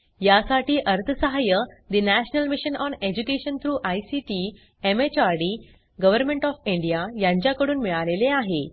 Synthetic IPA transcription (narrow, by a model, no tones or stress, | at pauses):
jasaʈiːʔəɾt̪ʰəsəɦajəd̪inæɕnəlmiɕənɔned͡ʑukeɕənt̪ʰɾuːʔajsiʈi | emet͡ɕaɾɖi | ɡəʋəɾmeɳʈɔfĩɳɖijajãɲt͡ɕjakəɽuːnmiɭaleleaɦe